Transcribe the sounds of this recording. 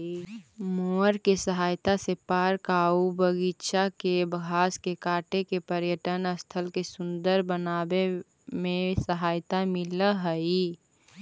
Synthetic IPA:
moːɾkesəɦaːjt̪asepaːɾkaubəɡitʃakebəɡʱaːskekaːʈekepəɾjəʈənəst̪ʰəlkesʊ̃nd̪əɾbənaːbe | mẽsəɦaːjt̪amɪləɦəi

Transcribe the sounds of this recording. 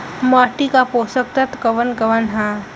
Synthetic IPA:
maːʈikapoːsək̚t̪ɐt̪kɐʋənkɐʋənɦaː

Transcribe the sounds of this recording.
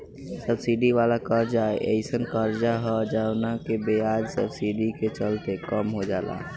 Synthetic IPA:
səbsiɖiʋalakəɾd͡ʒaeʔə̰ɪsənkəɾd͡ʒaɦɔd͡ʒaʊnakebead͡ʒsə̰bsiɖiket͡ʃəlt̪ekəmɦod͡ʒaːla̰

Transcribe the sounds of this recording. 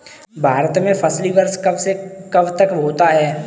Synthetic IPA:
bʱaːɾət̪mẽfʰɐslibɐɾskɐbsekɐbt̪əkɦoːt̪aɦɛː

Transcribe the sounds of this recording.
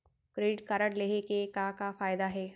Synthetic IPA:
kɾeːɖɪʈ̚kɐɾəɽleːɦekekakafaːjd̪aɦɛː

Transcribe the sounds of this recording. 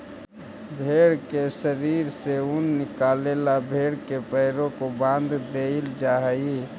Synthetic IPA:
bʱeːɽkesəɾiɾseʊnːɪkaːlelabʱeːɽkepəɦɾõkobãnd̪ʱd̪eɪld͡ʒaɦəi

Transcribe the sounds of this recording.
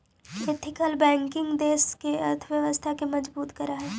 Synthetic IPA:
ʋet̪ʰɪkəlbɛ̃ːŋkɪ̃ŋɡd̪eːskeɐɾt̪ʰʋjɐʋəst̪ʰakemɐd͡ʒbuːt̪kɐɾaɦɛː

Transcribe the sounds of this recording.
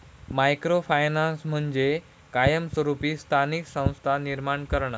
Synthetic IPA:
majkɾofajnansm̤əɳd͡ʑe | kajəmsʋəɾupiːst̪ʰaniksə̃w̃st̪ʰaniɾmaɳkəɾɳa

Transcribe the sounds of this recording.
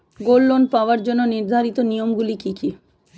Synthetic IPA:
ɡolːonpaoaɾd͡ʑonːoniɾd̪ʱaɾit̪onijomɡulikiki

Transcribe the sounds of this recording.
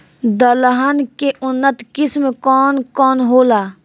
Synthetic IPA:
d̪əlɦənkeʔʊnːət̪kɪsmekɔːnkɔːnɦoːlaː

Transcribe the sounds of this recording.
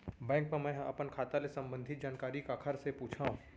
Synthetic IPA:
bɛ̃ːŋk̚memɛ̃ːɐ̰pənkʰaːt̪alesɐ̃mbə̃nd̪ʱɪt̪̚d͡ʒaːnkaːɾikaːkʰəɾsepuːt͡ʃʰaːɦũː

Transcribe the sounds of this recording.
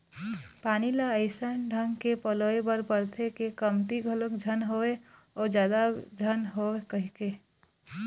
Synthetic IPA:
paːnilaəɪsənɖʱə̃ŋɡkepəloːebəɾpəɾt̪ʰekekəmt̪iɡʱələkd͡ʒʱənɦoe | ɔːɾd͡ʒjaːd̪ad͡ʒʱənɦoekəɦike

